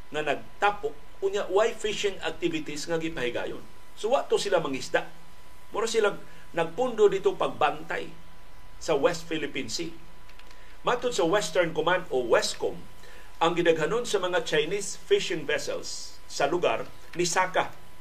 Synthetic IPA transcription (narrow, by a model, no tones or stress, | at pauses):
ŋanɐɡ̚t̪apʊk̚ | ʊɲaʔwajfɪʃɪŋa̰k̚t̪ivɪt̪isŋaɡɪpaɦɪɡa̰ːjo̰n | sowaʔt̪osɪlamaŋisd̪aʔ | mʊɾasila | nɐɡ̚pʊnd̪od̪it̪opaɡ̚bant̪a̰j | sawɛst̪filɪpinsi | mat̪ʊd̪̚sɐwɛst̪ɛɹnkomand̪owɛskom | ʔaŋɡɪnaɡɦanonsamɐŋat͡ʃajnis | fiʃɪŋvɛsɛ̰lsː | alʊɡa̰ɾ | nɪsaka